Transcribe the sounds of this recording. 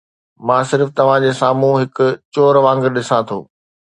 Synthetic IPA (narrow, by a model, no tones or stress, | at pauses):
mãːsɪɾft̪ɐʋ̤ãd͡ʑeːsaːmũɦɪkʊ̆t͡ɕoːɾʋãːŋɡɗɪsãt̪ʰo̰ː